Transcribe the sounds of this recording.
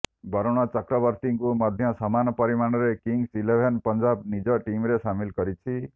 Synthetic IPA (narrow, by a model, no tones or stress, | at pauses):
bɔɾɔɽ̃ɔt͡ʃɔkɾɔbɔɾt̪iŋkumɔd̪ʱjɔsɔmanɔpɔɾimaɽ̃ɔɾekiŋɡsilebʱenpɔnd͡ʒabnid͡ʒɔʈimɾesamilkɔɾit͡ʃʰi